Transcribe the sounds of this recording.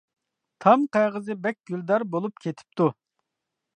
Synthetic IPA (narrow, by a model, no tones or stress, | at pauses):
t̪ʰɑmqʰɑjʁəzɨbɛk̚ʲɡ̥ʲyld̪ɑɾbolˠup̚kʲʰet̪ʰɪ̥p̚t̪ʰu